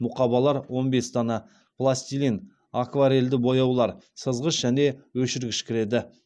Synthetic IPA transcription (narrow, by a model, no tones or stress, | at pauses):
mʊqɑbɑlˠɑɾwo̞nbe̞st̪ʰɑnɑ | plˠasʲt̪ilʲin | akvaɾe̞ld̪ɪbo̞jɑwlˠɑɾsəzʁəsʒ̥æne̞wɵʃɪɾɡʲɪʃkʲʰɪɾe̞d̪ɪ